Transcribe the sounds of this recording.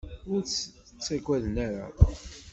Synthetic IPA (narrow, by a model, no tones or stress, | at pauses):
ʊɾt͡sː | t͡sːæɡʷæðənæɾa̰